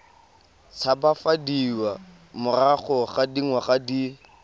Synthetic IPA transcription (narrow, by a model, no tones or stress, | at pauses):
t͡sʰabafadiwa | mʊraχɔχadiŋwaχadi